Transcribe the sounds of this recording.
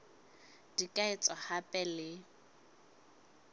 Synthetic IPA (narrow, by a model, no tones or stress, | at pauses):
d̥ikʼaɪt͡sʼɔhapʼɛlɪ